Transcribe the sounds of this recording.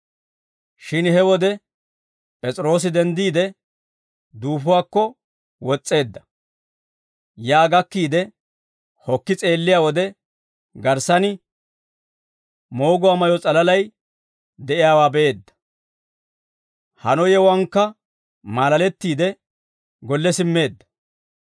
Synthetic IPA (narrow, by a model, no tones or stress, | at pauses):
ʃɪnhɛwɔd̪ɛ | pʼɛt͡sʼɪɾo̞ːs̬ɪd̪ɛnd̪iːd̪ɛ | d̪uːfʊwaːkːɔ | wɔt͡sʼːe̞ːd̪ːɐ̥ | jaːɡɐkːiːd̪ɛ | hɔkːɪt͡sʼe̞ːlːɪjaːwɔd̪ɛ | ɡɐɾsɐnɪ | mo̞ːɡʊwaːmɐjɔt͡sʼɐlɐlɐj | d̪ɛʔɪjaːwaːbɛʔeːd̪ːɐ̥ | hɐnɔjɛwɐŋkːɐ | maːlɐlɛt̪ːiːd̪ɛ | ɡɔlːɛsɪmːe̞ːd̪ːɐ̥